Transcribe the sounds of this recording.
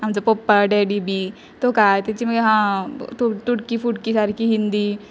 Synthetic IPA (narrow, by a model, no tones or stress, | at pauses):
ɐmd͡zɐpopːaɖeːɖibi | t̪okat̪et͡ʃimɡɦãt̪ut̪uʈkifuʈkisaɾkiɦĩnd̪i